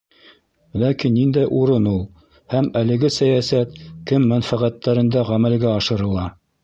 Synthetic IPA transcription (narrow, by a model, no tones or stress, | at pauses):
lækinːind̪æjʔuɾɤnulˠ | hæmælɘ̆ɡɘsæjæsæt̪kɘmːænfæʁæt̪ːæɾɘ̆nd̪æʁæmælɡæɑʃɤ̆ɾɤ̆lˠɑ